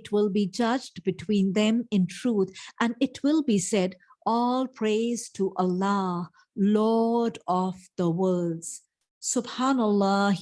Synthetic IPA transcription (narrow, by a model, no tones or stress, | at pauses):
tʰwɪlˠbid͡ʒʌd͡ʒdbɨtʰwĩːnðɛ̃mɪ̃ntʰɹ̥uːt̪ʔæ̃nɪtʰwɪlˠbisɛd | ʔɔlˠpʰɹ̥eɪz̥tʰuʔəlːɑ | lɔdɔvð̥əwɜ˞dz̥ | sʊbhanəlˠːɑ